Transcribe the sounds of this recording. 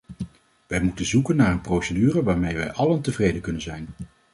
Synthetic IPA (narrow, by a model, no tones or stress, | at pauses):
ʋɛjmutənzukənːaːɹənprowsədyːrəʋaːɹmejʋɛjʔɑləntəvrejdəkɵnənzɛjn